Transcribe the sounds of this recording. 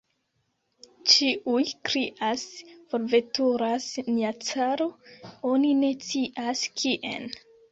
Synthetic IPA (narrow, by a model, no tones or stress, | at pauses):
t͡ʃiʔujkɾiʔasfoɾve̞tuɾasniat͡saɾoo̞nine̞t͡siʔaskʰiʔḛn